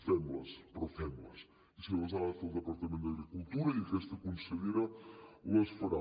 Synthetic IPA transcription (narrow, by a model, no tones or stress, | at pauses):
fɛmlˠɐ̰ʃpɾɔfɛmlˠɐ̰ʃ | isɛlɐzavɐpɐlˠd̪əpɐɾt̪ɐmẽnt̪d̪ɐɣɾikulˠt̪uɾɐikɛʃt̪ɐkũnsɐðiɾɐlˠɐʃfɐɾa